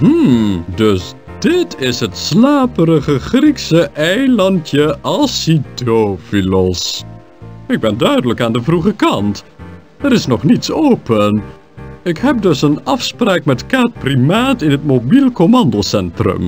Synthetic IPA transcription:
ɦ̩dɵs | dɪtʰɪsɦətslaːpərəχəχriksəʔɛjlɑntjəʔɑsidofilɔs | ɪɡ̚bɛndœɥdələkaːndəvruχəkɑnt | əɾɪsnɔχnitsowpən | ɪkɦɛp̚dɵsənɑfspraːkmɛtkaːt̚primaːtɪnɦətmobilˠkomɑndosɛntrə̰m

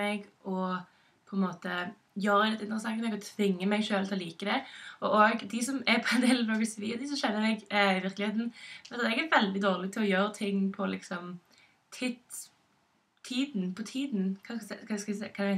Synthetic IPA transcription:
ɛɡʔɔ | pʰɔɛnmoːt̪ə | jøːɾəd̪ɛt̪ɪnt̪ɾəsɑŋmɛɡɔt̪ʰʋɪŋːəmɛɪɡʃøːlt̪ʰɪlɔliːkəd̪ɛɔʔoːɡd̪ɪsɔmɛɾpʰɔɛnd̪eːlɑoːɡəsʋiːd̪ɪs̬ɔmʃɛnːəmɛɡɪʋɪɾklɪheːt̪n̩ɛɑt̪ɛɡæɾʋɛld̪ɪd̪oːʁlɪt̪ʰɪlɔjøːɾət̪ʰɪŋːpʰɔlɪksɔm | t̪ʰɪt̪ | t̪ʰiːd̪npʰɔt̪ʰiːd̪nkʰɑkʰɑskkʰɑ

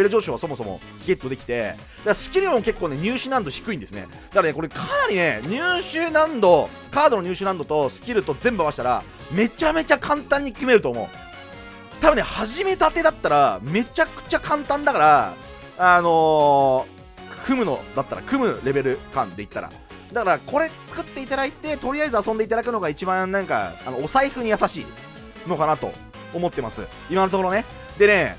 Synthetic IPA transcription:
ee̞ɾɯ̟ʑoːɕoβaso̞mo̞so̞mo̞̰kʲi̥ke̞t̪ːo̞d̪e̞kʲi̥t̪e̞ | d̪aksɨ̥kʲiɾɯmõmke̞kːoːne̞ɲ̟ɨːɕɨːnãnd̪o̞çi̥kɯĩnd̪e̞sɨne̞̰ | d̪̥akaɾaneko̞ɾekʰanaɾʲine̞ɲ̟ɨːɕɨːnãnd̪o̞ | kaːd̪o̞no̞ɲ̟ɨːɕɨːnãnd̪ot̪o̞sɨ̥kʲiɾɯ̟t̪o̞zẽ̞mbɯamaɕi̥t̪aɾa̰ | me̞t͡ɕame̞t͡ɕakʰãnt̪ãɲ̟ːikʲɯme̞ɾɯ̟t̪oːmo̞̰ːɯ̰ | t̪abɯ̟nːehaʑime̞t̪at̪e̞d̪at̪ːaɾame̞t͡ɕakɯ̟̥t͡ɕakʰãnt̪ãnd̪akaɾa | ano̞ | kʰɯ̟mɯ̟no̞̰d̪at̪ːaɾa̰kɯ̟mɯ̟ɾe̞be̞ɾɯ̟kã̰nd̪e̞it̪ːa̰ɾa̰ | d̪akaɾako̞ɾe̞t͡sɨ̥kɯ̟t̪ːe̞it̪ad̪ait̪e̞t̪o̞ɾʲijaizɨasõnd̪eit̪ad̪akɯnooɡait͡ɕibãnnãŋka̰ano̞osaiɸɯ̟ɲ̟ijasaɕḭː | no̞kanat̪o̰ | omo̞t̪ːe̞masɨ̰ | imanot̪okoɾo̞ne̞ | d̪e̞ne̞

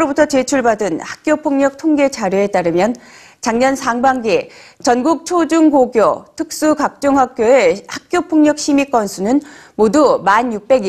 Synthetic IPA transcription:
ɾobutʰʌt͡ɕe̞t͡ɕʰuɭbadɯnhḁk̚k͈jopʰoŋɲʌk̚tʰoŋɡe̞t͡ɕaɾjoe̞t͈aɾɯmjʌn | t͡ɕaŋɲʌnsʰaŋbaŋɡet͡ɕʌnɡuk̚t͡ɕʰod͡ʑuŋkoɡjotʰɯk̚s͈ukak̚t͡ɕ͈oŋɦak̚k͈joe̞hak̚k͈jopʰoŋɲʌk̚ɕʰimik͈ʌnsʰunɯn | modumanjuk̚p͈e̞ɡi

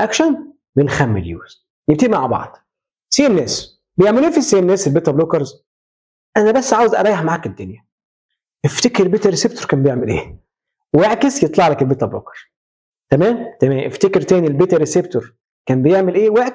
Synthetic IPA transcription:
ʔækʃæn | benxæmːḛljṵːz̥ | jeb̚t̪iːmaʕbɑ̰ʕd̪̥ˤ | siʔenːæːs | bejeʕmeluːfisiʔenːæːselbeːt̪æbloːkɑɾz | ʔænæbæsːʕaːwezʔɑ̰ɾˤɑːjeħmaʕaːked̪ːonjæ | ʔeft̪ekɾbet̪æɾesebt̪oɾkæːmbejeʕmelʔeː | weʕkesjet̪ˤlɑʕlɑkelbeːt̪æblo̰kɑ̥ɾˤz̥ | t̪æmæːmt̪æmæːmʔeft̪ekɾt̪æːnilbet̪æɾesebt̪oɾ | kæːmbejeʕmelʔeːweʕk

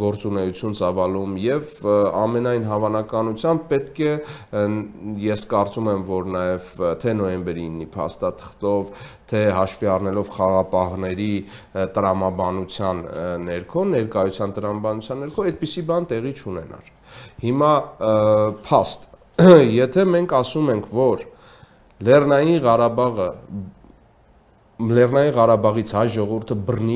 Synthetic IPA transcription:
ɡɔɾt͡sunɛjut͡sʰjunt͡sɑvɑlumjɛvɑ̰mɛnɑjnɦɑvɑnɑkɑnut͡sʰjɑmb̚pɛt̪kʰɛ | jɛskɑɾt͡sumɛmvɔɾnɑjɛvt̪ʰɛnɔjɛmbɛɾiːnːipʰɑ̰st̪ɑt̪ʰə̥χt̪ɔv | t̪ʰɛɦɑʃviɑrnɛlɔvχɑɑʁɑpɑɦnɛɾi | t̪əɾɑmɑbɑnut͡sʰjɑnːɛɾkʰɔnɛɾkɑjut͡sʰjɑnt̪əɾɑmɑbɑnut͡sʰjɑnːɛɾkʰɔɛt̪̚pisibɑnt̪ɛʁit͡ʃʰunɛ̰nɑ̰ɾ | himɑ | pʰɑst̪ | jɛt̪ʰɛmɛŋkʰɑsumɛŋkʰvɔɾ | lɛrnɑjinʁɑɾɑbɑʁə | lɛrnɑjiʁɑɾɑbɑʁit͡sʰhɑjʒɔʁɔvuɾt̪ʰəbərni

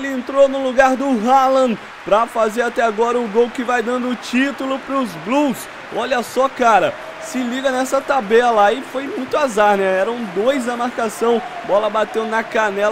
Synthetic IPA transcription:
elɪẽnt̪ɾonʊluɡaɾd̪ʊɦalɐ̃ | pɾɐfazeɾat̪ɛaɡɔɾɐʊɡowkɪvajd̪ɐ̃nd̪ʊːt͡ʃit̪ulʊpɾʊzblus | ɔʎɐsɔkaɾɐ | sɪliɡɐnɛsɐt̪abɛɐlaɪfojmũj̃t̪ʊazaɾnɛɛɾɐ̃w̃d̪ojzd̪ɐmaɾkasɐ̃w̃ | bɔlɐbat̪ewnɐkanɛl

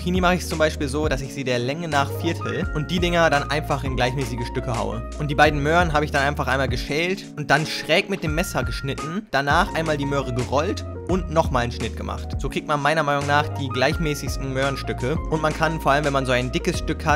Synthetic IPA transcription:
iːniːmaχəɪçst͡sʊmbaɪʃpiːlzoːdasɪçz̥iːdeːɐlɛŋənaːχfɪɐtʰl̩ʔʊnt̚d̥iːdɪŋɐdanʔa̰ɪnfaχɪnɡlaɪçmɛːsɪɡəʃtʏkəha̰ʊə̰ʔʊnt̚d̥iːbaɪdn̩møːʁnɦaːbəɪçd̥anʔaɪnfaχʔaɪnmaːlɡəʃɛːltʔʊnt̚d̥anʃʁ̥ɛːkmɪt̚d̥eːmːɛsɐɡəʃnɪtn̩d̥anaːχʔaɪnmaːldiːmøːʁəɡəʁɔlt | ʔʊntnɔχmaːlnʃnɪt̚ɡ̥əmʔa̰χtz̥oːkʁ̥iːk̚tmanmaɪnɐmaɪnʊŋnaːχd̥iːɡlaɪçmɛːsɪçstn̩møːʁənʃtʏkʰəʔʊntmankʰanfoɐʔaləmvɛnmanzoːaɪndɪkəsʃtʏkha

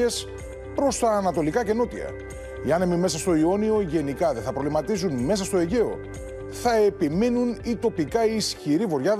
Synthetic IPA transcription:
e̞s | pɾo̞st̪ɐːnɐt̪o̞likɐce̞no̞t̪ḭɐ̰ | iɐnemime̞sɐst̪o̞io̞nio̞ʝe̞nikɐðeθɐpɾo̞vlimɐt̪izunme̞s̬ɐst̪o̞e̞ʝe̞o̞̰ | θɐe̞pimenunit̪o̞pikɐiiːsçiɾivo̞ɾʝɐ

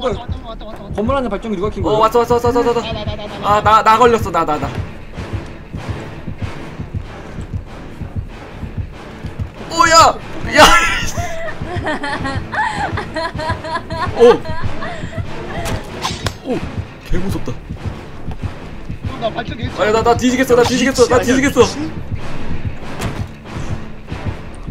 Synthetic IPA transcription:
ka | kʌmːuɾɦanɯnpaɭt͡ɕ͈ʌŋinuɡakʰinŋɡʌwas͈ʌwas͈ʌwasʌwas͈ʌas͈ʌʌananaɡʌʎjːʌs͈ʌnanana | ojaja | o | o | keɡos͈ʰʌp̚t͈a | ajananatid͡ʑikʰes͈ʌnat̪id͡ʑikʰes͈ʌnat̪id͡ʑikes͈ʌ

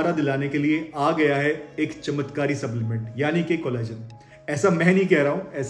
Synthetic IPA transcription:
ɾad̪ɪlaːnekelieaːɡɐjaɦɛeːkt͡ʃɐmət̪kaːɾisɐblɪmẽɳʈjaːnikekoːlaːd͡ʒən | ɛːsamɛ̃ːnɦĩkɛɦɾaɦũɛːs

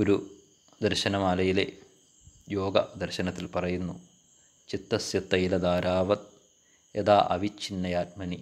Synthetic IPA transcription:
oɾu | d̪ɐrɕɐnɐmaːlɐjilḛ | jo̞ːɡɐd̪ɐrɕɐnɐt̪ːilpɐrɐjunːu | t͡ɕit̪ːɐsjɐt̪ːɐjilɐd̪aːɾaːʋɐt̪̚ | ed̪aːʔɐʋit͡ɕːinːɐjaːt̚mɐni

